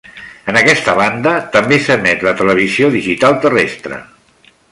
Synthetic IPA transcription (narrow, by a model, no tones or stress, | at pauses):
ənəkɛst̪əβ̞and̪ət̪əmbesəmɛt̪lət̪ələβ̞izioðiʒit̪alˠt̪ərest̪ɾə̰